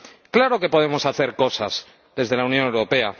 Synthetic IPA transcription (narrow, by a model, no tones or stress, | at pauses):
klaɾo̞ke̞po̞ð̞e̞mo̞saθe̞ɾko̞saz̥ | ðe̞zðe̞launjõ̞ne̞wɾo̞pe̞a